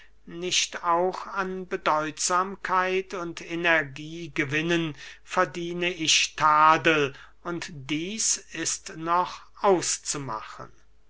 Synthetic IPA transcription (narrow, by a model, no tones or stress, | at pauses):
nɪʃtaʊxanbədɔʏtz̥aːmkʰaɪtʰʊntenɛɐɡiːɡəvɪnənfɛɐdiːnəɪʃtʰaːdəl | ʊntd̥iːsɪstnɔχ | ʔaʊst͡suma̰xə̰n